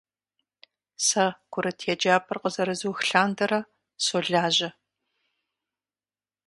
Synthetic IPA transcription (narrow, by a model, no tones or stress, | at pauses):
sɐkʷʰʊɾɐtʰɛd͡ʒaːpʰɨrqəzɐɾɨzuːxɬaːndɐɾɐ | soːɮaːʑɐ